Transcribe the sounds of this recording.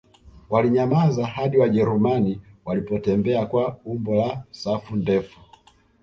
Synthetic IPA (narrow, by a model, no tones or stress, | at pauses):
waliɲamazahaɗiwaʄɛɾumaniwalipɔtɛmbɛakwaumbɔlasafundɛfu